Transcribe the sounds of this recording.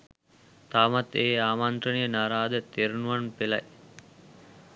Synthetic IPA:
t̪amat̪eːaːmant̪ɾənijənaːɾaːd̪ət̪eɾunuʋanpela̰j

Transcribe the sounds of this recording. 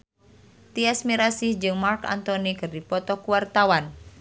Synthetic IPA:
t̪iasmiɾasihd͡ʒɨŋmarka̰nt̪ɔnikɨrdipɔt̪ɔkuwart̪awan

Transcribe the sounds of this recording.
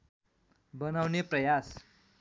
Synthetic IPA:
bənaʋnepɾəjas

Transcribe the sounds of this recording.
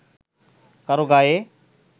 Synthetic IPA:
kəɾoɡaːeː

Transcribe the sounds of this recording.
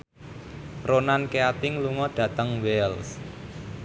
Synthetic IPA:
ronankeat̪ɪŋluŋɔd̪̥ä̤t̪əŋwɛls

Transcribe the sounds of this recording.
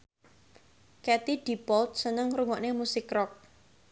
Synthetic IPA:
kɛt̪id̪̥i̤pɔlt̪̚sənəŋɾuŋɔʔnemusɪkrɔk̚

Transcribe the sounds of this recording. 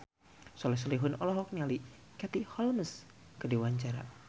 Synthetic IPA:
sɔlɛs̬ɔliɦʊnɔlɔɦɔk̚niali | kat̪ihɔlməs | kədiwaɲt͡ʃaɾa̰

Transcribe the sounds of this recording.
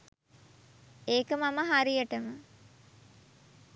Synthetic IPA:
eːkəmaməɦaɾijəʈəmə

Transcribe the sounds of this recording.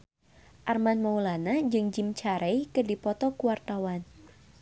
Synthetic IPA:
ʔarmanmaulanad͡ʒɨŋd͡ʒimt͡ʃaɾʔɛjkɨdipɔt̪ɔkuwart̪awan

